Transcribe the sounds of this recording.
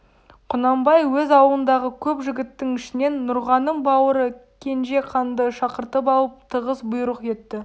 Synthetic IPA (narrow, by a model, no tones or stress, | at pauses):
qʰʊnɑmbɑjwɵzɑwlˠənd̪ɑʁəkʲʰɵpʒɪɡʲɪt̪ːɪŋɪʃɪne̞nːʊɾʁɑnəmbɑwəɾəkʲʰe̞nʒe̞qʰɑnd̪əʃɑqəɾt̪əp̬ɑlˠəp̚t̪ʰəʁəsbʊjɾəqe̞t̪ːɪ